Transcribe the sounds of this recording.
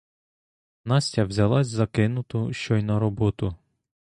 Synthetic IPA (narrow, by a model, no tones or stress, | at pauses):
nɑsʲtʲɐwzʲɐlˠɑsʲzɐkɪnʊt̪ʊʃt͡ʃɔjnɐɾɔbɔt̪ʊ